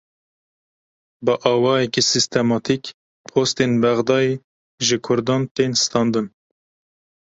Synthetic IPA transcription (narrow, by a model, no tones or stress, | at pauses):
bəʔɑːwɑːjɛkisist̪ɛmɑːt̪ʰik | pʰoːst̪enbɛɣd̪ɑːje | ʒɨkʰʊɾd̪ɑːnt̪eːnst̪ɑːnd̪ɨn